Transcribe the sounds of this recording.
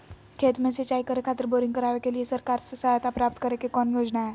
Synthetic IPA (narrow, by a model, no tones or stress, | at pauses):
kʰet̪met͡set͡ɕaikəɾekʰat̪əɾboɾiŋɡkəɾaʋekeliesəɾkaɾsəsajat̪apɾap̚t̪kəɾekekɔnjod͡znae